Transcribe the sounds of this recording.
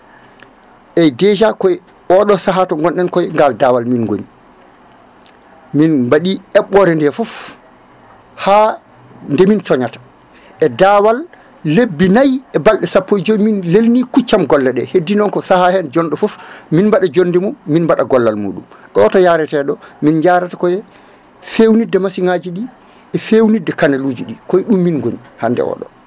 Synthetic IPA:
ʔɛdɛd͡ʒakɔj | ʔɔɗɔsaɦatɔŋɡɔnɗɛnkɔjŋɡaldawalminɡoni | minbaɗiɛɓːɔɾɛndɛfɔf | ha | ndɛmint͡ʃɔɲatḁ | ʔɛdawalː | ebːinajɛbalɗɛsapːɔjd͡ʒɔjminlelnikut͡ʃːamɡɔlːɛɗɛhedːinɔŋkɔsahahɛnd͡ʒɔnɗɔfɔfminmbaɗad͡ʒondɛmumːinbaɗaɡɔlːalmṵːɗumʔɛɔtɔjaɾɛtɛɗɔmind͡ʒaɾatḁkɔjɛ | fewnidɛmasiŋaːd͡ʒiɗi | ɛfewnidːɛkanaluːd͡ʒiɗikɔjɗumːinɡoɲihandɛ̰ɔ̰ɗɔ̰

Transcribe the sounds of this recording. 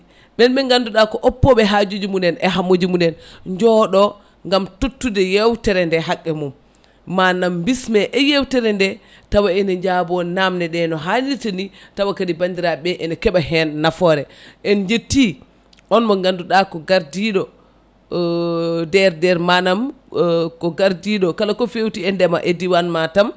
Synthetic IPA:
ɓɛnɓɛŋɡanduɗakɔʔɔpːɔɓɛɦad͡ʒud͡ʒumundɛnɛɦamːod͡ʒimundɛnɲd͡ʒɔɗɔ | ŋɡamtutːudɛjewtɛɾɛndɛɦakʼːɛmum | manambismɛʔɛjewtɛɾɛndɛ | tawaɛnɛɲd͡ʒabɔnamnɛɗɛnɔɦanitenitawakadibandiɾabɛʔɛnɛkɛɓaɦɛnːafɔɾɛʔɛnd͡ʒetːi | ʔɔnmɔɡanduɗakɔɡaɾdiɗɔ | dɛɾdɛɾmanam | kɔɡaɾdiɗɔkalakɔfewtiɛndɛmaʔediwanmatam

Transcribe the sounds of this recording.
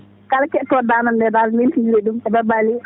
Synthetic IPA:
kalkɛtːɔdanandɛdalnilinɾɛɗumɛbabali

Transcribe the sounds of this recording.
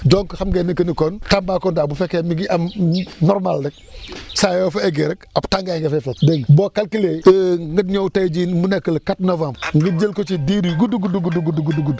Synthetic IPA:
dɔŋkxamɡenikənikɔntambaːkoːndaːbufekemiɡiʔamnɔɾmaldək̚ | sajoːfeɡeɾəkaptaŋɡaŋɡefɛfetdɛŋbokalkileəŋɡətɲowtajd͡ʒinmunekːəlkatnovãmbŋɡəd͡ʒəlkot͡ʃidiɾiɡuduɡuduɡuduɡuduɡuduɡudu

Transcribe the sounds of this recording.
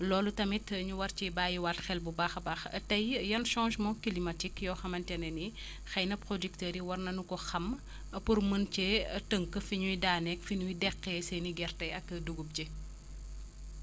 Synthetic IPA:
lɔːlutɐmitəɲuwɐrt͡ʃibaːjiwaːtxɛlbubaxbaxɐ̰tɐjjɐnʃɔ̃ːʃmɔkilimɐtikjɔːxɐmɐntɛnɛni | xɐjnɐpɾodiktəːɾiwɐrnɐnukɔxɐm | purmənt͡ʃɛtəŋkəfiɲujdaːnɛkfiɲuidɛkːɛsɛniɡɛrtɐɐkːɐduɡup̚cɛ

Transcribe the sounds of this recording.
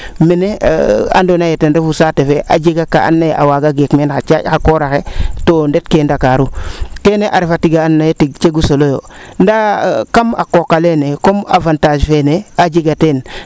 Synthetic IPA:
menḛa̰ndonajetenɾefusaːtefeʔa̰d͡ʒeɡaka̰a̰nːajʔa̰waɡaɡekmenxat͡ʃa̰xakoɾaxetondet̚kendakaɾukeneʔaɾefatiɡaːnːajetiɡt͡ʃeɡusolojo̰ndakama̰kokːalenekoma̰vantad͡ʒfenead͡ʒiɡaten

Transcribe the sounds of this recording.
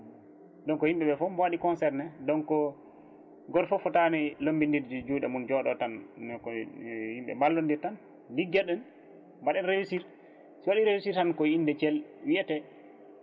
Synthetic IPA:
dɔnkɔhimɓɛɓɛfɔmbwaɗikɔnsɛɾnɛdɔnkɔ | ɡɔɾfɔfɔtanɛlombindiɾd͡ʒd͡ʒuɗɛmund͡ʒɔɗɔtanːkɔhimɓɛ̰malːɔndiɾtan | diɡɛɗːɛn | mbaɗɛnɾewisiɾ | siwaɗiɾewisiɾtankɔindɛt͡ʃɛlwiɛtɛ

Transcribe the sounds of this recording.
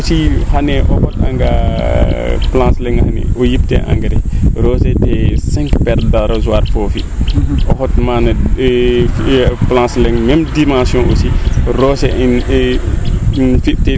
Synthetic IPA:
osihanɛʔɔhɔta̰ŋɡa̰ | plãːslɛŋhanɛ̰ʔojiptɛ̰ʔa̰ŋɡɐdɛɾɔsɛtɛsɛ̃ŋkpɛɾdaɾozuwaːɾfofiʔɔhɔt̚manɐ | plãːslɛŋmɛmdimãsjɔ̃ʔosiɾɔsɛʔin | fitɛ

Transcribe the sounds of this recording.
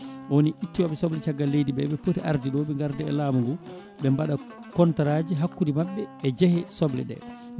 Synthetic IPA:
ɔwoniʔitːiwaɓɛsɔblɛt͡ʃaɡːalːejdiɓɛɓɛpotiʔa̰ɾdiɗɔɓɛŋɡaɾdɛɛ̰laːmuŋɡu | ɓɛmbaɗa | kɔntaɾaːd͡ʒiɦakːudimaɓːɛːd͡ʒɛhɛsɔblɛ̰ɗɛ̰ɗ

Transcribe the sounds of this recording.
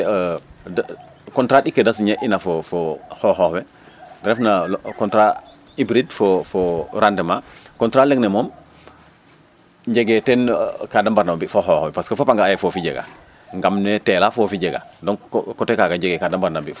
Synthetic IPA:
kɔntɾaɗikːedasɲaʔinafofohoxɔwɛ | ɡɾɛfnakɔntɾa | ibɾidfofoɾandemakɔntɾaleɡnemɔm | ɟeɡetɛnkadambaɾnambifoɦɔhwɛpaskefapaŋɡaːjɛfofiɟḛɡa̰ | ŋɡamnetɛlafofiɟeɡa̰dɔŋkɔtekaɡaɟeɡekadambaɾnambi

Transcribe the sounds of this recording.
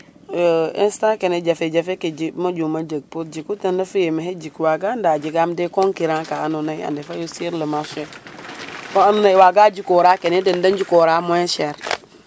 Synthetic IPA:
instãkened͡ʒafed͡ʒafeked͡ʒimad͡ʒumad͡ʒəɡ̚pot̚d͡ʒikutanːafujemaɦed͡ʒikwaɡandad͡ʒiɡamdekoŋkiɾãkaːnunaia̰ndefajosiɾləmasue | koanunaiwaɡad͡ʒikoɾakenedendand͡ʒikoɾamoeʃɛɾ

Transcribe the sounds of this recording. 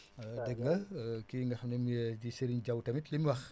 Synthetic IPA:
dəɡŋɡɐkiŋɡɐxnɛmd͡ʒisəɾiɲɟɐwtɐmitlimwɐx

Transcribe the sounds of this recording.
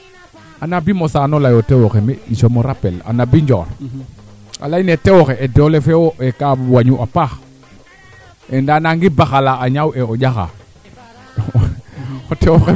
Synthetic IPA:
anabimosanolajotewoxemeisomoɾapela̰nabiɲd͡ʒɔ̰ɾ | a̰lainetewoxeʔedolefewoekawaɲuʔapax | endanaŋɡibaxalaːɲaweoɟaxa̰ | otewoxe

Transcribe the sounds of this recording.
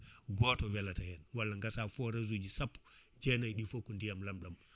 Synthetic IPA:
ɡotowelatahɛnwalːaŋɡasafoɾazud͡ʒisapː | d͡ʒenajɗifokundijamlamɗam

